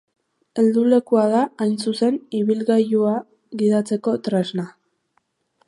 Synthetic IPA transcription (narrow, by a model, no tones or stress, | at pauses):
e̞ld̪ule̞kuað̞aːjnsuse̞niβilɣajua | ɣiðat͡se̞ko̞t̪ɾe̞zna